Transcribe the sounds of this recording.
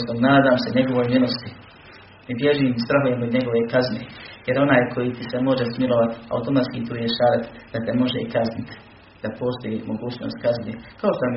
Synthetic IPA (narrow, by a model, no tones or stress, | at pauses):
sonaːd̪aːmse̞ɲe̞ɡo̞ʋo̞jmilˠost̪i | mibjeʒiːmst̪ɾaɦujemod̪ɲe̞ɡo̞ʋe̞kazneːjeɾo̞naːjkʰo̞jit̪isemo̞ʒesmilˠoʋat̪a̰ut̪o̞mat̪kiːt̪uːjeʃaːɾat̪d̪̥at̪emo̞ʒeikaznɪt̪ | d̪̥apo̞ːst̪o̞jimoɡuːt͡ɕno̰ːst̪kaznḛkao̞ʃt̪om